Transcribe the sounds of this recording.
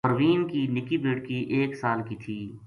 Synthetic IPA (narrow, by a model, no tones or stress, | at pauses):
əɾʋiːnkinɪkibeːɽkiʔeːksaːlkit̪ʰiː